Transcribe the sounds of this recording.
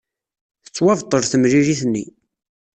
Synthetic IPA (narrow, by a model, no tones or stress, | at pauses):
θə̥t͡sːwɑvt̪ˤːəɾθəmɾiɾiθnːḭ